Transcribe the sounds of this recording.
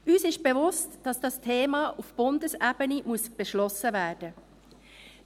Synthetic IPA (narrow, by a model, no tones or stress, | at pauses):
yːsɪʃb̥evʊstd̥ɑsd̥ɑstʰeːmɑːʔufb̥ʊndəsæbənimuəsb̥eʃlɔsəvæːrd̥ə